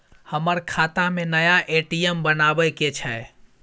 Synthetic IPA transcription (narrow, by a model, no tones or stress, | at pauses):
həməɾkʰaːt̪amẽnəjaʔeʈijəmbənaːbəket͡ʃʰɛ